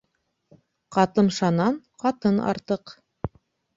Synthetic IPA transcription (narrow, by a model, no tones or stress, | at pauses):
qɑt̪ɤmʃɑnɑɴqɑt̪ɤnɑ̰ɾt̪ɤq